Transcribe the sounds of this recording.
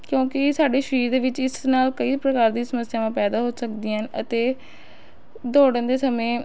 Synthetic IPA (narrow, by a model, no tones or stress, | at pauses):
kjõːkɪsaːɖeːʃəɾiːɾd̪eːʋɪt͡ʃɪsnaːlkəiːpɾəkaːɾd̪iːsəməsːɪjaːʋãːpɛːd̪aːɦoːsəkd̪iːɦənə̰t̪eː | d̪oːɽənd̪eːsəmẽː